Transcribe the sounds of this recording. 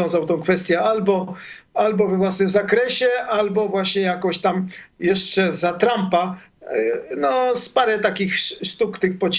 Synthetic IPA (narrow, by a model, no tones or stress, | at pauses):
ɔ̃w̃zawt̪ɔ̃w̃kfɛst̪ʲjɛalbɔ | albɔvɛvwasnɘmzakɾɛɕɛʔalbɔvwaɕɲɛjakɔ̃ɕt̪am | jɛʂt͡ʂɛzat̪ɾampa | nɔspaɾɛt̪akʲixʂt̪ukt̪ɪxpɔt͡ɕ